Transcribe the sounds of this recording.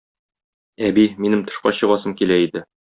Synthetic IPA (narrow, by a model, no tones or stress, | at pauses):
æbiminɘmt̪ŏʃqɑ̰ɕɤ̆ʁɑsɤmkilæid̪ɘ